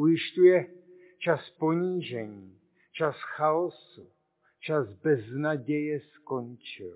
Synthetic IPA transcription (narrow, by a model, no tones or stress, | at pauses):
ujɪʃcujɛ | t͡ʃaspo̞ɲiːʒɛɲiː | t͡ʃasxaosu | t͡ʃasbɛznaɟɛjɛsko̞nt͡ʃɪ̰l